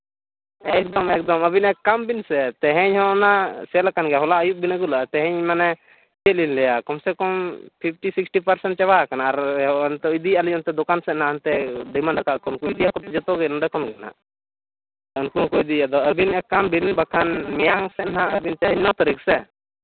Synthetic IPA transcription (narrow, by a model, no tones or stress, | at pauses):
ɛk̚d̪ɔmɛk̚d̪ɔməbinɛkːambinsɛt̪ɛɦɛ̃ɲhɔnasɛlakanɡɛɦɔlaʔəjuʔ̚binaɡulaʔt̪ɛɦɛ̃ɲmanɛ | t͡ʃɛlinlɛjakɔmsɛkɔmpʰip̚ʰʈisiksʈipəɾsɛɳʈ̚t͡ʃɛbakanaːɾɦɔnt̪ɔid̪ialiɔnt̪ɛd̪ɔkansɛt̪̚naənt̪ɛd̪əjmanɖakaʔkɔnkuid̪ijakɔt̪ɛd͡ʒɔt̪ɔɡɛnɔɖɛkɔnɡɛna̰ʔ | ɔnkukɔid̪ijad̪ɔəbinɛkːambinbakʰanmɛjaŋsɛt̪̚naəbint̪ɛɦɛ̃ɲnɔt̪əɾiksɛ